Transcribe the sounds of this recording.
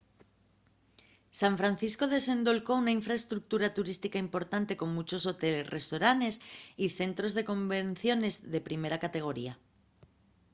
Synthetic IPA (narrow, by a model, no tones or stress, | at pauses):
saɱfɾan̟θisko̞ð̞e̞se̞nd̪o̞lko̞unaiɱfɾaest̪ɾuk̚t̪uɾat̪uɾist̪ikaimpo̞ɾt̪ant̪e̞ko̞ŋmut͡ʃo̞so̞t̪e̞le̞sre̞st̪o̞ɾane̞siθe̞nt̪ɾo̞zð̞e̞kõ̞mben̟θjo̞ne̞zðe̞pɾime̞ɾakat̪e̞ɣ̞o̞ɾia